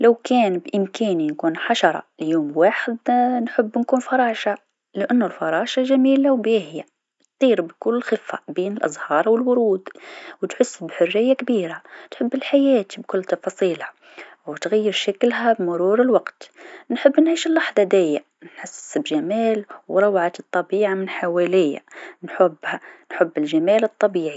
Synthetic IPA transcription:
lawkæːnbʔɪmkæːninkuːnħaʃɑɾˤɑ̰ljuːmwaːħɪd̪nħʊbːnkuːnfɑɾˤɑːʃa | lɪʔanːʊlfɑɾˤɑːʃaʒamiːlawbjihɪja | t̪t̪ˤiːɾbkʊlːɪlxɪfa̰biːnɪlʔɑ̰zˤhɑːɾˤwɪlwʊɾuːd̪wt̪ħʊsːbħʊrːɪjːakbiːɾat̪ħɪbːɪlħajaːt̪ibkʊlːt̪ɑfɑːsˤiːlha | wt̪ɣajːɪɾˤʃaklɦabmʊɾuːɾɪlwaɡt̪nħɪbːnʕiːʃɪlːɑħd̪ˤɑd̪aːja | nħasːsbʒamaːlwɾˤɑwʕat̪ɨt̪ˤːɑbiːʕamɪnħawaːlɪjːa̰nħʊbːhanħʊbːɪlʒamaːlɨt̪ˤːɑbiːʕi

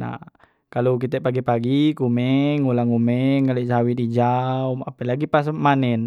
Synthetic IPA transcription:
na̰ | kalok̬it̪ɛʔpaɡipaɡikumɛŋulaŋumɛŋkaleʔsaɦawidid͡ʒaumapəlaɡipas̬manɛn

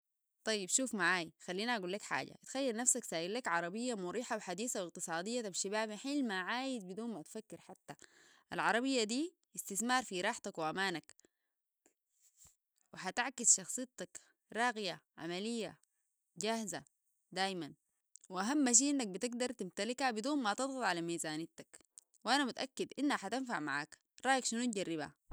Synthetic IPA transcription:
t̪ˤɑjːibʃuːfmaʕaːjxalːiːnaʔaɡuːlːakħa̰ːɟa̰t̪xajːalnafsaksaːʔillakʕɑɾˤɑbijːamuɾiːħawħad̪iːsawɪq̚t̪ɨsˤɑːd̪ijːabʃibaːbɪħiːlmaʕaːjizbid̪uːnmat̪fakːɪɾħat̪ːa | ʔa̰lʕɑɾˤɑbijːad̪iː | ɪst̪iθmɑːɾˤfiɾˤɑːħt̪akwiʔamaːnak | wɪħat̪aʕkisʃɑxsˤɨjt̪ɑk | ɾˤɑːɣijaʕa̰malijːa | ɟahza | d̪aːjman | wiʔaɦamːaʃ̬iːʔinːak̚bit̪iɡ̚d̪ɑɾˤt̪imt̪alikhabid̪uːnmat̪ɨd̪ˤɣɑt̪ˤʕalamiːzaːnit̪ak | wʔanamut̪ʔakːid̪ʔinːhaħat̪anfaʕma̰ʕa̰ːk | ɾˤɑːjakʃinut̪ɟarːibha̰

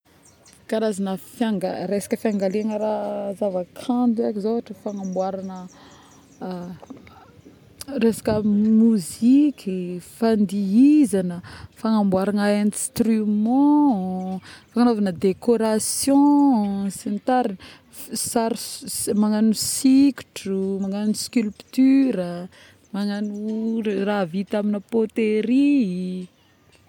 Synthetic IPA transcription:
kaɾazanəfjaŋɡaɾesḁkəfjaŋɡaleaŋəɾazavakʰãnd̪uakzovaʈ͡ʂəfaŋambwaɾanə | resḁkəmuzikʲʰifand̪iizanəfaŋambwaɾanəẽnst̪rymɑ̃ | fakanovanəd̪ekoɾasjɔ̃sint̪aɾin | saɾsmaŋanusikʲu̥ʈ͡ʂumaŋanuskʲylpt̪yɾə | maŋanuravit̪aminəpot̪eɾi

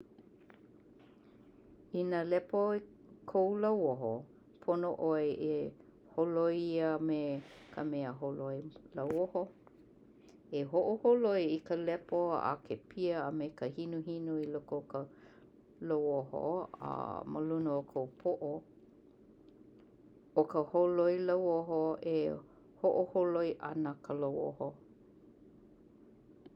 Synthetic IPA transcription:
inalɛpo | kʰowlawoɦo | pʰonoʔoeʔe | holojiəmekʰəmɛəɦoloelawoho | eɦoʔoholoeikəlɛpoa̰kʰepʰiəəmekəhinuhinuilokowkə | lowoho̰ə̰mə̰lunəokʰowpʰoʔo | okəholojlawoɦoe | hoʔoholojʔɐnəkʰəlowo̰ho

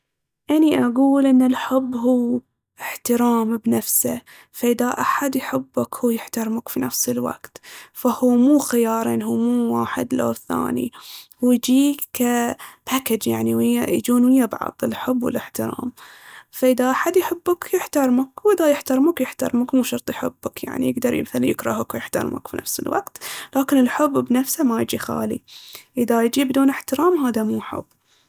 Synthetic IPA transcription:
ʔaniʔaɡuːlʔɪnːɪlħɪbːɦuː | ʔɪħt̪ɪɾɑːmbnafsa̰ | faʔɪðaʔaħad̪jħɪbːakhuːjɪħt̪ɑɾˤmakfinafsɪlwa̰ɡ̥t̪fahuːmuːxɪjɑːɾˤiːnɦuːmuːwaːħɪ̰d̪lo̰ːθa̰ːnḭ | wɪjd͡ʒiːkːapaːkɪd͡ʒjaʕniwɪjːajd͡ʒuːnwɪjːabʕɑ̰ðˤɪlħʊbːwɪ̰lɪħt̪ɪɾɑ̰ːm | faʔɪðaʔaħad̪jħɪbːakjɪħt̪ɑɾˤmakwʔɪðajɪħt̪ɑɾmakjɪħt̪ɑ̰ɾˤmakmuːʃɑɾt̪ˤjħɪbːakja̰ʕnḭjɪɡd̪ɑɾˤj̰maθalajɪkɾˤɑɦakwjɪħt̪ɑ̰ɾˤma̰kfinʔa̰fsɪ̰lwa̰qt̪laːkɪnɪlħʊbːbnafsamajɪd͡ʒixa̰ːlḭʔɪðajd͡ʒibd̪uːnɪħt̪ɪɾɑːmɦaːðamuːħʊ̰bː

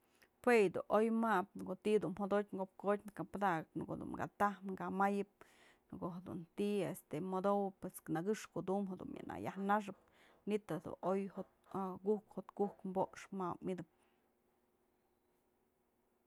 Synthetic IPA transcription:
pwejd̪ṵʔojmap̚nkot̪id̪unmhod̪ot̚ʲŋɡop̚kot̪ʲnakapad̪akɨpnko̰d̪ṵnɡa̰t̪ahnŋɡamajɨp̚ | nkoʔɦed̪ṵnt̪iʔest̪emod̪owɨpesknaɡɨʂkoʔd̪umɦed̪ṵmja̰nʔa̰ja̰hnaʂ̬ɨp̚ | nit̪ad̪ṵnʔojho | ɡuhkhot̪kukmboʔkʂmapmid̪ɨp̚

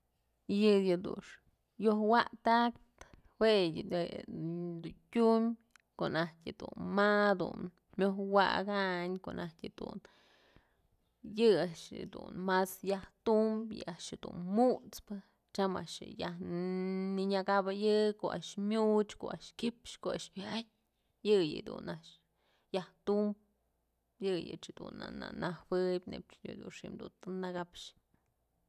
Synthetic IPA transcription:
jɨjɨd̪ṵʂ | johwaʔt̪ak̚tt̪ | we | d̪untʲumʲ | koʔnaht̪ʲjɨd̪ṵnmad̪ṵn | mʲohwa̰ɡaɲkoʔnʔahtʲɨd̪̥ṵn | jɨaʔʃd̪ṵnmasjaht̪umbjɨ̰aʔʃɨd̪ṵnmut͡spɨ | t͡ʃama̰ʔʂɨ̰jah | niɲaɡabɨjɨkoʔa̰ʔʃmʲut͡ʃko̰a̰ʔʂʃkipʃkoaʔʃmʲʔaɲʲ | jɨjɨ̰d̪ṵnaʔʃ | jaht̪umb̚ | jɨjɨ̰ʔt͡ʃhɨd̪̥ṵna̰na̰nahwɨjbʲnḛpt͡ʃjɨ̰d̪unʂimd̪unt̪ɨnaɡapʂ

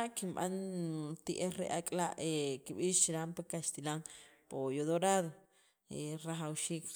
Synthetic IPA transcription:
aʔkima̰nt̪iʔeɾḛʔakʼlaʔekiɓiʃɾampekast̪ilaŋpojod̪oɾaðo | eraɦawʃik

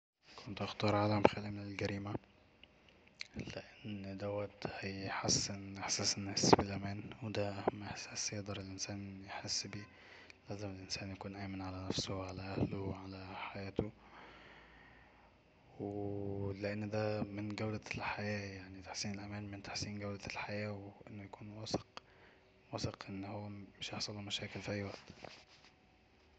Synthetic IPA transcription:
kʰʊnt̪ʔɑxt̪ɑːɾˤʕalamxælimɪnɪlɡæɾiːma | lɪʔɪnːd̪æwæt̪hijħasːɪnɪħsæːsnːasbɪlʔæmæːnwd̪æʔæhmʔɪħsæːsjd̪ˤɑɾˤɪlʔɪnsæːnjħɪsːbiː | læːzɪmɪlʔɪnsæːnjakuːnʔæːmɪnʕalænæfsʊʕalæʔæhlʊʕalæħajæːt̪o | weleʔanːd̪æːmɪnɡæwlælħajæːjaʕnit̪ḁħsiːnelʔæmæːnmɪnt̪ḁħsiːnɡæwlælħajæːweʔenːojakuːnwæːsq | wɑːseqʔenːhowːæmɪʃjɑħsˤɑlomæʃæːkɪlfiʔæjːwæʔt̪

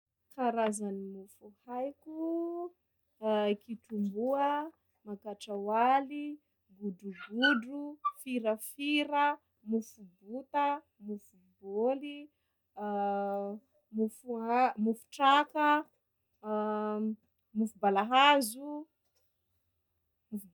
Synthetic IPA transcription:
kaɾazanimufuhajkʲu | kiʈ͡ʂumbuə | makaʈ͡ʂawali | ɡuduɡuɖ͡ʐufiɾəfiɾə | mufubut̪ə | mufuboli | mufuamufu̥ʈ͡ʂakə | mufubalaɦazu | muf

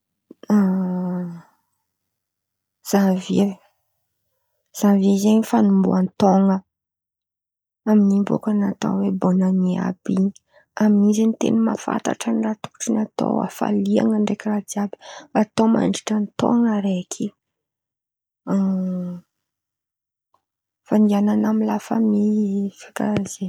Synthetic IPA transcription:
a | z̥avi | z̥avezaɲifanumbṵant̪oŋə | aminimbo̰kanat̪o̰webonənia̰bi | aminizenit̪ḛnima̰fa̰nt̪a̰ʈ͡ʂənirat̪uku̥ʈ͡ʂinat̪o̰a̰fa̰lia̰ŋəɳɖ͡ʐekirad̪iabi̥at̪oma̰ɳɖ͡ʐi̥ʈ͡ʂənt̪o̰ŋəɾekʰi | faniananamilafa̰mifḁkaz̥e

